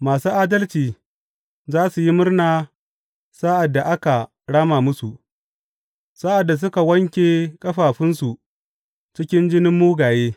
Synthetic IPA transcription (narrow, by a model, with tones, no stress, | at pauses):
maː˨suː˦ʔaː˦dɐ˦lt͡ʃiː˨ | zaː˦su˨ji˦mʊ˦rnaː˦ | sa˦ʔa˨dːa˨ʔa˦ka˨ | ɽaː˦maː˨mʊ˦su˨ʔ | sa˦ʔa˨dːa˨s̬ʊ˦ka˨wɐ˦ŋkʲeː˨kʼɐ˦ɸaː˨ɸɪ˦nsu˨ | t͡ʃɪ˦kʲɪ˦nd͡ʒɪ˦nɪ˦mːuː˦ɡaː˨jeː˦